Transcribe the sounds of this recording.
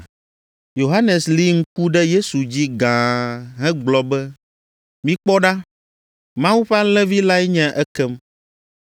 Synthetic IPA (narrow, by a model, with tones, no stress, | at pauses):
jo˨ɦa˦nɛ˨sli˦ŋ̩˦ku˦ɖɛ˦je˦su˨d͡ʑi˦ɡã˨ɦɛ̃˦ɡ͡blɔ˨bɛ˦ | mĩ˦k͡pɔ˦ɖa˦ | mã˦wu˦ɸe˦a˦lɛ̃˦vi˦la˦ɛ˦ɲɛ̃˦ʔɛ˦kɛ˦m